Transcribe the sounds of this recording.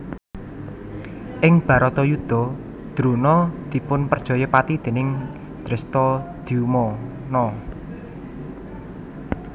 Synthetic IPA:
ʔɪŋb̥ä̤ɾɔt̪ɔjud̪̥ɔ̤ | d̪̥ɾunɔd̪̥i̤pʊnpərd̥ʒ̥ɔ̤jɔpat̪id̪̥e̤nɪŋ | d̪̥ɾɛst̪ɔd̪̥iumɔ | nɔ

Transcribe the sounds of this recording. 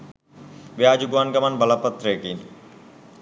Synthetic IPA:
bead͡ʑuɡwankɐmanbalapːat̪ːɾekin

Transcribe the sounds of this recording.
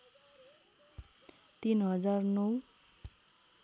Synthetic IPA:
t̪inɦʌzaɹnow

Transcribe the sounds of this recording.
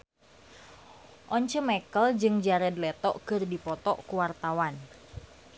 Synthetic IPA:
ʔɔɲt͡ʃəmɛkəld͡ʒɨŋd͡ʒaɾɛd̪lɛt̪ɔʔkɨrdipɔt̪ɔʔkuwart̪awan

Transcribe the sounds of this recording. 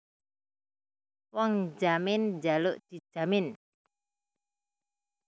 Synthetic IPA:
wɔŋd͡ʒamɪnd͡ʒaluʔd̪̥i̤̥d͡ʒ̥a̤mɪn

